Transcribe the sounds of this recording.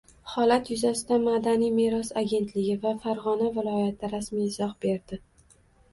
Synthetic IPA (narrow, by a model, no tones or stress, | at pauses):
hɒlat̪jʊzasɪd̪amaːd̪anijmeɾɒsaɡʲe̞nt̪lɪɡʲɪvafaɾʁɒnavɪlˠɒjat̪ʰɪɾasmijɪzɒχbe̞ɾd̪ɪ